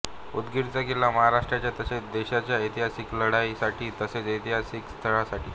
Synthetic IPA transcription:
ud̪ɡiɾt͡saɡelaməɦaɾaʂʈɾat͡ɕjat̪əset͡sd̪eɕat͡ɕjait̪iɦasiːkləɽaisaʈʰiːt̪əset͡sit̪iɦasiːkst̪ʰəɭasaʈḭː

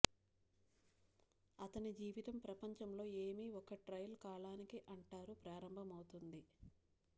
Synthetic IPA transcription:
ɐt̪ɐnid͡ʒiːʋit̪ɐmpɾɐpɐɲt͡ʃɐmlo̞ːe̞ːmiːɔkɐʈɾɐjlkaːɭaːnikiʔɐɳʈaːɾupɾaːɾɐmbʱɐmɐwt̪und̪i

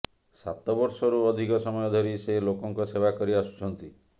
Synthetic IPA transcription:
sa̰t̪ɔbɔɾsɔɾuɔd̪ʱikɔsɔmɔjɔd̪ʱɔɾiselokɔŋkɔsebakɔɾiasu̥t͡ʃʰɔnt̪i

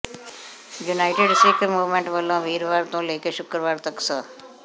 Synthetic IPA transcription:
junaɪʈeɖsikmuʋmẽɳʈʋəlõʋʱiɾʋaɾt̪õlekeʃʊkɾəʋaɾt̪əksə

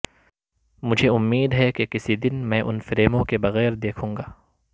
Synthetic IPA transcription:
mʊd͡ʒʱeʊmːiːd̪ɦɛkekɪsid̪ɪnmɛ̃ːʔʊnfɪɾeːmõkebɐɣɛːɾd̪eːkʰũːŋɡaː

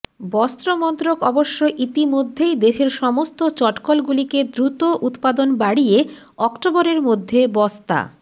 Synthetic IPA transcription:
bɔst̪ɾomɔnt̪ɾokɔboʃːoʔit̪imod̪ʱːejd̪eʃeɾʃɔmost̪ot͡ɕɔʈkolɡuliked̪ɾut̪oʔut̪pad̪onbaɽie | ɔkʈoboɾeɾmod̪ʱːebɔst̪a̰

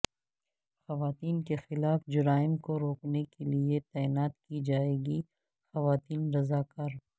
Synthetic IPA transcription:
xɐʋaːt̪iːnkexɪlaːfd͡ʒʊɾaːɪmkoɾoːknekeliet̪ɛːɪnaːt̪̚kid͡ʒaːeːɡi | xɐʋaːt̪iːnɾɐzaːkɐɾ

